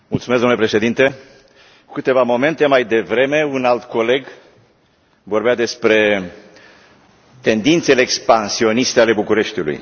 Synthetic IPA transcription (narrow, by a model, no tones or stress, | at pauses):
mult̪sumesd̪omnlepɾeʃe̞d̪int̪e̞ | kukɨt̪e̞vamo̞me̞nt̪emajd̪e̞vɾe̞me̞unalt̪ko̞le̞ɡ | vo̞rbead̪e̞spɾe̞ | t̪e̞nd̪int̪se̞leːkspansio̞nist̪eale̞bukuɾe̞ʃt̪ilṵj